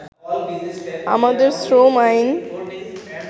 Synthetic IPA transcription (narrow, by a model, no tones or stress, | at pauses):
a̰mad̪əɾsɾomajn